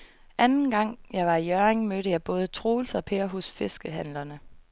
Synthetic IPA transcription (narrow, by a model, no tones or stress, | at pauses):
ʔænn̩ɡ̥ɑ̈ŋ̰jɑ̈ɪʋɑ̈ijœɐeŋmøɾəjɑ̈ɪb̥ɔ̽ːð̞ˠət͡sʰʁoːl̩sɒ̽pʰeːɐɦɔsfe̝sɡ̥əɦænlɐnə